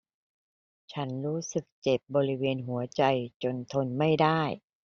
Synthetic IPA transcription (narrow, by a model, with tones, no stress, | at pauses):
t͡ɕʰa˦˥nɾuː˦˥sɯ˨˩k̚t͡ɕe˨˩p̚bɔː˧ɾi˦˥weː˧nɦu˩˦ɐt͡ɕa˧jt͡ɕo˧nt̪ʰo˧nma˥˩jdaː˥˩j